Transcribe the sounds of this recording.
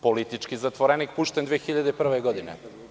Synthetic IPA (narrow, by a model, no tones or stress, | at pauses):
polit̪it͡ʃkizat̪ʋoɾenik̚puʃt̪end̪ʋeexiʎad̪epr̩ʋeɡod̪inḛ